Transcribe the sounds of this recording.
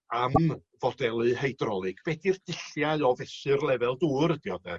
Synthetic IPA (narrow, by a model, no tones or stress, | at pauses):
amvɔdɛlˠɨhejdrɔlˠɨɡ̥v̥ɛdird̥ɪɬjaɨɔvɛsɨrlˠɛvɛlˠduːɾədiɔdɛ